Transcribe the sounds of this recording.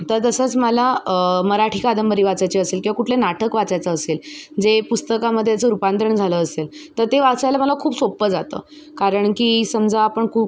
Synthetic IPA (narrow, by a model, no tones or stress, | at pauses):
t̪əɾt̪əsət͡sməlaməɾaʈʰikad̪əmbəɾiːʋat͡sajt͡ɕiəselkĩwʋakuʈʰlenaʈəkʋat͡sajt͡səːseld͡zepust̪əkaməd̪ʱːjat͡səɾupant̪ɾəɳd͡zʱaləːselt̪əɾt̪eʋat͡sajlam̤əlakʰuːpsopːəd͡zat̪ə̰ː | kaɾəɳkiːsəmd͡zʱaːpəɳkʰuːp̚